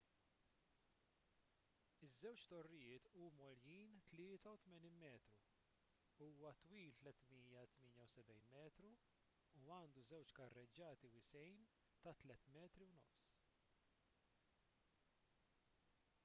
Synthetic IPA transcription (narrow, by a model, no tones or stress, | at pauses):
ɪzːɛwt͡ʃt̪ɔrːɪjɪːt̪uːmɔljiːnt̪lɪːt̪ɐut̪mɛniːnmɛːt̪ɾu | uːwɐt̪wiːlt̪lɛt̪miːjɐt̪mɪːnjɐwsɛbɛjnmɛːt̪ɾuː | ɐːnd̪uzɛwt͡ʃkɐrːɛd͡ʒːɐːt̪iwɪsɛjn | t̪ɐt̪lɛt̪mɛːt̪ɾiwnɔ̰fs